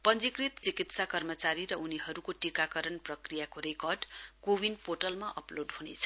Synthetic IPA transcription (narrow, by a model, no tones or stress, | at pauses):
pʌnd͡zikrit̪t͡sikit̪sakʌrmʌt͡saɾiɾʌʔuniɦʌɾukoʈikakʌɾʌnprʌkrijakoɾekʌrɖkowinpoʈʌlmaʔʌ̰ploɖɦunet͡sʰʌ̥